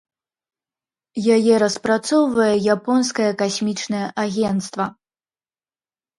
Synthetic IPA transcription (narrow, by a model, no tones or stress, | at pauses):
jajɛɾɐspɾat̪sɔwvɐjɛjapɔnskɐjɐkasʲmʲit͡ʂnɐjɛʔaɣʲɛnt̪st̪vɐ